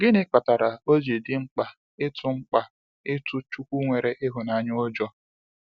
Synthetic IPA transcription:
ɡɪ˦nɪ˦k͡pa˨ta˨ɾa˨o˦d͡ʒe˨dɪ˦ŋ͡m̩˦k͡pa˨ | ɪ˦tʊ˨ŋ͡m̩˦k͡pa˨ | ɪ˦tʊ˦t͡ʃu˦kʷu˦ŋʷe˨ɾe˨ʔɪ˦ɦʊ˨na˨ɲ˦o˦d͡ʒɔ˦

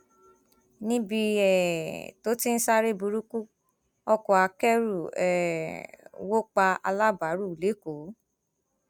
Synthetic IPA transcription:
nĩ˦bi˧ɛ˨to˦ti˦n̩˦sa˦ɾe˦bu˧ɾu˦ku˦ | ɔ˦kɔ˨a˧kɛ˦ɾu˦˨ɛ˨ | wo˦k͡pa˧a̰˧la˦ba˨˦ɾu˦˨le˨˦ko˨˦

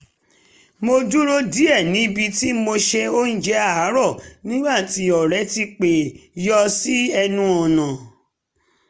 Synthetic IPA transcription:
mo˧du˦ɾo˦di˦ɛ˦˨nĩ˨˦bi˧ti˦mo˧ʃe˧o˦n̩˦d͡ʒɛ˦a˦˨a˨˦ɾɔ˦˨nĩ˦ɡ͡ba˦˨ti˨˧˦ɔ˨ɾɛ˨˦ti˧k͡pe˨jɔ˧si˦ɛ˧nũ˦ɔ˨nã˨

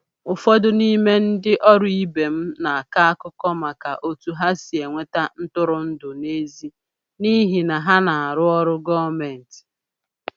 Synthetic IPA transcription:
ʊ˨fɔ˦dʊ˦ni˦me˦n̩˦dɪ˦ʔɔ˦ɾʊ˦i˦be˨m̩˦na˨a˨ka˦a˦kʊ˦kɔ˦ma˨ka˨ʔo˦tu˨ɦa˦si˨e˨ŋʷe˦ta˦n̩˦tʊ˦ɾʊ˨n̩˦dʊ˨ne˦zi˦ | ni˦ɦi˨na˨ɦa˦na˨a˨ɾʊ˦ɔ˦ɾʊ˦ɡɔ˦me˨n̩˨ti̥˨

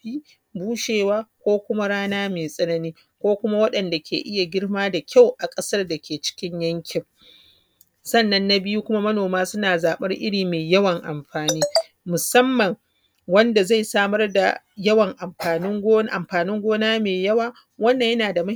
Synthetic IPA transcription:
iː˦ | buː˦ʃeː˨waː˦kʷoː˦kʷʊ˦ma˦ɽaː˦naː˦meː˨sʼɐ˦nɐ˦niː˦ | kʷoː˦kʷʊ˦ma˦wɐ˦ɗɐ˨nda˨kʲʰḛ˨ʔɪ˦ja˨ɡʲɪ˦ɽmaː˦da˨kʲa˦˨wʔa˨kʼɐ˦sɐ˦rda˨kʲeː˨t͡ʃɪ̥˦kʲɪ˦ɲjɐ˦ŋkʲʰɪ˨ŋ | sɐ˦˨nːɐ˦nːa˦bɪ˦ju˦kʷʊ˦ma˦mɐ˦noː˨maː˦sʊ˦naː˨zaː˨ɓɐ˦rʔɪ̰˦ɽiː˨meː˨jɐ˦wɐ˨ŋʔa˨mɸaː˨niː˦ | mʊ˨sɐ˦mːɐ˨ŋ | wɐ˦nda˨za˦˨jsaː˦mɐ˦rda̰˨jɐ˦wɐ˨ŋʔa˨mɸaː˨nɪ˦ŋɡʔa˨mɸaː˨nɪ˦ŋɡʷoː˦naː˦meː˨jɐ˦waː˨ | wɐ˦nːɐ˨ɲjɐ˦naː˨da˨mɐ˦

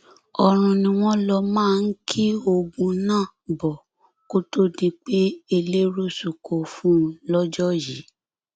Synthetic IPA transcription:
ɔ˨ɾ̃ũ˨nĩ˧w̃ɔ̃˦lɔ˧mãː˦˨˧n̩˦kʰi˦o˧ɡũ˧nãː˦˨bɔ˨ | ko˦to˦di˦k͡pe˦e˧le˦ɾo˦su˨ko˨fũ˦˧˦lɔ˦d͡ʒɔ˦ji˨˦

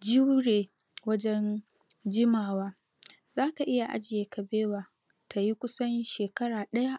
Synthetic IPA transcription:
d͡ʒi˦wɽeː˨ | wɐ˦d͡ʒɛ˦n | d͡ʒɪ˦maː˨waː˦ | zaː˦ka˨ʔɪ˦ja˨ʔa̰˦d͡ʒɪ˨jeː˨ka˨beː˦waː˨ | tʰa˨ji˦kʷʊ˦sɐ˦nʃeː˨kɐ˦ɽaː˨ɗɐ˦ja˦ʔ

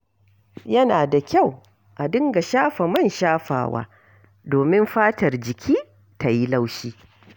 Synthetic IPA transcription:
jɐ˦naː˨da˨kʲa˦˨w | ʔa˨dɪ˦ŋɡa˨ʃaː˦ɸa˨mɐ˦˨nʃaː˦ɸa̰ː˨wa̰ː˦ | doː˨mɪ˦mɸaː˦tɐ˨rd͡ʒɪ˨kʲʰiː˦ | ta˨ji˦la˦wʃiː˦

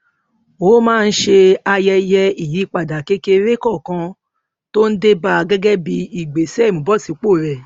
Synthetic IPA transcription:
wo˨˦mãː˦˧n̩˦ʃe˧a˧jɛ˧jɛ˧i˨ji˨˦k͡pa˨da˨ke˦ke˧ɾe˦kɔ˦˨kã˧ | to˦n̩˦de˦ba˧ɡɛ˦ɡɛ˦bi˧i˨ɡ͡be˨sũ˨bɔ˦˨si˨˦k͡po˦˨ɾɛ˨

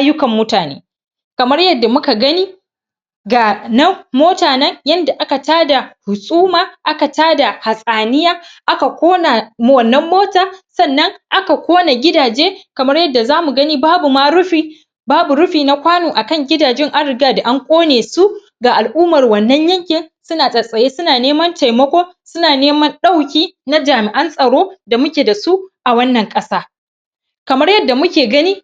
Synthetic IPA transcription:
ʔa˦jʊ˦kɐ˨mːʊ˦taː˨nḛː˦ | kɐ˨mɐ˦rjɐ˦dːa˨mʊ˦ka˨ɡɐ˦niː˦ | ɡaː˨nɐ˦mmoː˦taː˨nɐ˦ŋjɐ˦nda˨ʔa˦ka˨taː˦da˨hʊ˨sʼuː˦maː˨ʔa˦ka˨taː˦da˨ha˨sʼaː˨nɪ˦jaː˦ʔa˦ka˨kʷoː˦na˨m˦wɐ˨nːɐ˦mːoː˦taː˨sɐ˦˨nːɐ˦ŋʔa˦ka˨kʷoː˦na˨ɡʲɪ˦daː˨d͡ʒeː˦kɐ˨mɐ˦rjɐ˦dːa˨zaː˦mu˨ɡɐ˦niː˦baː˦bu˨ma˦ɾʊ˦ɸiː˦ | baː˦bu˨ɾʊ˦ɸiː˨na˦kʷaː˦noː˨ʔa˨kɐ˦˨ŋɡʲɪ˦daː˨d͡ʒɛ˦ŋʔa˦nɽɾɪ˨ɡaː˦da˨ʔa˦ŋkʷʼoː˦neː˨su˦ | ɡaː˨ʔa˨lʔuː˦mɐ˨rwɐ˨nːɐ˦ɲjɐ˦ŋkʲɪ˨nsʊ˦naː˨sʼɐ˨sʼɐ˨jeː˦sʊ˦naː˨neː˦mɐ˦nta˨jmɐ˦kʷoː˦ | sʊ˦naː˨neː˦mɐ˦nɗa˦˨wkʲiː˦na˦d͡ʒaː˨mɪ˨ʔɐ˦nsʼɐ˨ɽoː˦da˨mʊ˦kʲeː˨da˨su˦ʔʔa˨wɐ˦nːɐ˨ŋkʼɐ˦saː˦ | kɐ˨mɐ˦rjɐ˦dːa˨mʊ˦kʲeː˨ɡɐ˦niː˦

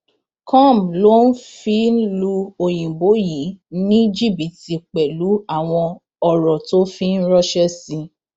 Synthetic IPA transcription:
kɔ̃˦˨blo˦n̩˦fi˦lu˧o˧j̃ĩ˨bo˨˦ji˨˦nĩ˦d͡ʒi˦˨bi˨ti˧k͡pɛ˨lu˨˦a˦˨w̃ɔ̃˧ | ɔ˨ɾɔ˨to˦fi˦n̩˦ɾɔ˦ʃɛ˦sĩ˧

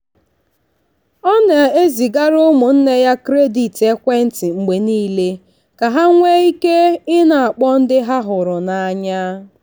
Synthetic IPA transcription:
ɔ˦ne˨e˦zi˨ɡa˦ɾʊ˦mʊ˨n̩˦ne˦ja˦kɾe˦di˨te˦kʷe˦n̩˦ti˨ŋ͡m̩˨ɡ͡be˨niː˦le˦ | ka˨ɦa˦ŋʷe˦i˦ke˦ɪ˦na˨a˨k͡pɔ˦n̩˦dɪ˦ɦa˦ɦʊ˨ɾʊ˨na˨a˨ɲa˦

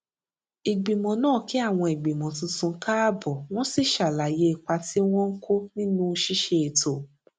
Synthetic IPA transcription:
i˨ɡ͡bi˨mɔ̃˨nãː˦˨ki˨˦a˦˨w̃ɔ̃˧i˨ɡ͡bi˨mɔ̃˨tũ˧tũ˧˦ka˦˨bɔ˨w̃ɔ̃˦si˦˨ʃa˨la˨je˧˦i˧˨k͡pa˧ti˦w̃ɔ̃˦ŋ̩˦kʰo˦nĩ˦nũ˦˧ʃi˦ʃe˧e˨to˨

